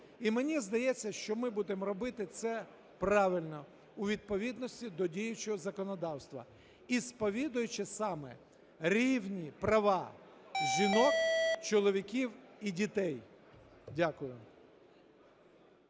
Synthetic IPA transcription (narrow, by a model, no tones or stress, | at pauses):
imenʲizd̪ɐjɛt͡sʲːɐʃt͡ʃɔmɪbud̪emɾɔbɪt̪ɪt̪sɛ | prɑʋɪlʲnɔ | ʊʋʲid̪̚pɔʋʲid̪nɔsʲtʲid̪ɔdʲijʊt͡ʃɔɦɔzɐkɔnɔd̪ɑwst̪ʋɐ̰ | ispɔʋʲid̪ʊjʊt͡ʃɪsɑmɛ̰ | ɾʲiwnʲipɾɐʋɑ | ʒʲinɔkt͡ʃɔlˠɔʋʲikʲiwidʲit̪ɛj | dʲakʊjʊ